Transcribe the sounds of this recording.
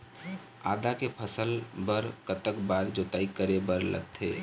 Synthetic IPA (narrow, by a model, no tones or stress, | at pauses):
a̰d̪akepʰəsəlbəɾkət̪əkbaɾd͡ʒot̪aikəɾebəɾlə̰ɡt̪ʰḛ